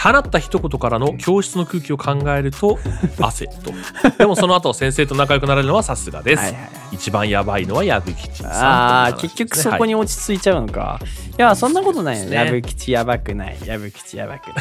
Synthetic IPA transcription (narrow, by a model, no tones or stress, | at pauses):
hanat̪ːaçi̥t̪o̞ko̞t̪o̞kaɾano̞kʲo̞ːɕi̥t͡sɨno̞kɯ̟ːkʲio̞kʰãŋɡae̞ɾɯ̟t̪o̞ase̞t̪o̞d̪e̞mo̞so̞no̞at̪o̞sẽ̞ɰ̃se̞ːt̪o̞nak̬ajo̞kɯ̟naɾeɾɯno̞βasasɨɡa̰d̪e̞saɨ̰a̰i | it͡ɕibãɰ̃jabaino̞βajabɯ̟kʲi̥t͡ɕi̥aa̰ke̞kʲːo̞kɯ̟̥so̞ko̞ɲ̟io̞t͡ɕi̥t͡sɨit͡ɕaɯ̟noka̰jasõ̞nːako̞t̪o̞nainojabɯ̟kʲi̥t͡ɕijabakɯ̟na̰ḭjaβɯ̟kʲi̥t͡ɕija̰ba̰kɯ